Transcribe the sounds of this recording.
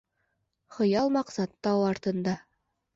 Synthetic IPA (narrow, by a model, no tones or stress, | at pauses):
χɤ̆jɑlˠmɑqsɑt̪ːɑwɑɾt̪ɤ̆nd̪ɑ